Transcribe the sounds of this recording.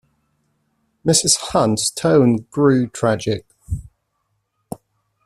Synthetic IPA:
mɪsɪz̥hʌ̃ntstʰə̃ʊ̃nɡ̥ɹʉːtʰɹ̥ad͡ʒɪk̚

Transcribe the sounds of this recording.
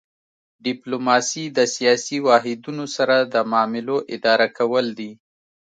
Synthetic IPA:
ɖɪplomɑsid̪əsijɑsiwɑɦɪd̪unosaɾad̪əmɑmɪloʔɪd̪ɑɾakʰawəld̪i

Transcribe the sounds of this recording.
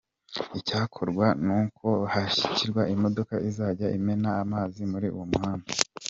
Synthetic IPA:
icaːkʰoɾɡwanuːkʰo̞haʃi̥ciɾɡwaʔimo̞do̞kaʔizaːɟaʔime̞naːmaːzimuɾiṵwomhaːnva

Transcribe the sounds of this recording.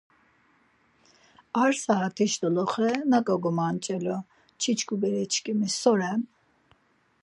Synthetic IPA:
aɾsaat̪ʰiʃd̪ɔlɔχɾɛnakʼɔɡɔmant͡ʃʼɛlɔ | t͡ʃʰit͡ʃʰkʼubɛɾɛt͡ʃʰkʼimisɔɾɛm

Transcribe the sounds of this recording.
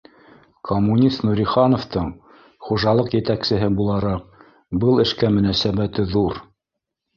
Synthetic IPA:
kʰomːunʲist̪nuɾʲiχɑnoft̪ɤɴ | χuʒɑlˠɤqjɘ̆t̪æksɘ̆ɦɘbulˠɑɾɑq̚ | bɤlˠɘ̆ʃkæmɵ̆næsæβæt̪ɘðuɾ

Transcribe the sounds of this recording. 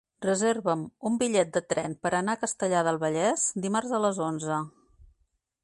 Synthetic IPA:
rəzerβəmumbiʎɛt̪̚d̪ət̪ɾɛnpəɾənaəkəst̪əʎaðəlˠβəʎɛz̥d̪imarzðələzonzə

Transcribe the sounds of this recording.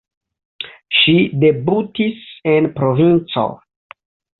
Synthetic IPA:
ʃide̞butisenpɾovint͡so̰

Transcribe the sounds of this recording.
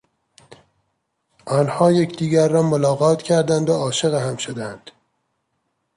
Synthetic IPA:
ʔɒːnhɒːje̞cʰd̪iːɡæɾːɒːmolɒːɣɒːt̪ʰcʰæɾd̪ænd̪oɒːʃe̞ɣehæmʃod̪ænd̪̥

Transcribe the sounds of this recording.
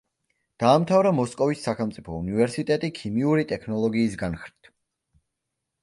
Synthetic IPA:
d̪̥aːmt̪ʰavɾamɔskʼɔvisːaχɛlˠmt̪sʼipʰɔunivɛɾsit̪ʼɛt̪ʼikʰimiuɾit̪ʼɛkʰnɔlˠɔɡiːs̬ɡanχɾit̪ʰ

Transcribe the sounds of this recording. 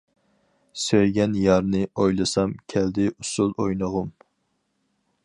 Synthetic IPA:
søjɡʲɛnjɑɾnɨojlˠɨsɑmkʲʰɛld̪ɪʔusulˠojnəʁʊm

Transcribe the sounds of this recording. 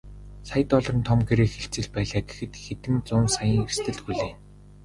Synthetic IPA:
saj̆t̪ɔɮ̆rɞ̆nt̪ʰɔmɡeɾeːxeɬt͡sɘ̆ɮpæːɮaːɡexɘ̆t̪xet̪ɘ̆nt͡sʊːnsajə̆ŋest̪ʰɘ̆ɮxuɮeːn

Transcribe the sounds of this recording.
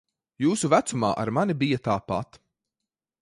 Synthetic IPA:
juːsuvæt̪suma̰ːʔa̰ɾmanibijat̪aːpa̰t̪

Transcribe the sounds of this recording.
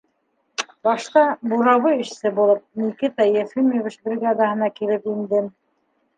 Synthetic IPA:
bɑʃq̪ɑbuɾɑβɤɘ̆ʃsɘbulˠɤp̚nikɘt̪ɑjæfimovʲit͡ʃbrʲiɡad̪aɦɤ̆nɑkilɘpind̪ɘm

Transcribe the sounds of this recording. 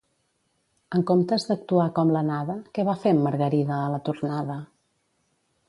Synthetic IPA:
əŋkomt̪əzðək̚t̪uakɔmlənaðəkɛβafemːəɾɣəɾiðəːlət̪urnaðə

